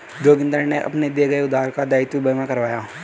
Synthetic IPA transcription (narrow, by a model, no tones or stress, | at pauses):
d̪oːɡɪ̃nd̪əɾneʔɐ̰pned̪eɡɐeʊd̪aːɾkad̪aːɪt̪ːjubɐmãkɐɾʋaːjaː